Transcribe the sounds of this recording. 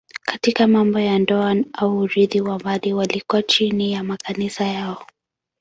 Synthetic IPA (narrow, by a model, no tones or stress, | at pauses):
kḁtikamambɔjandɔanauːɾiðiwambaɗiwalikuat͡ʃinijamakanisajaɔ